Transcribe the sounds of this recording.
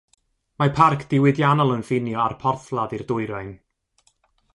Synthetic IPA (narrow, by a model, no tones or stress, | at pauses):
mapʰarkʰd̥ɪwɪdjanɔlˠənfɪnjɔarpʰɔrθlˠadɨrdʊɨɾajn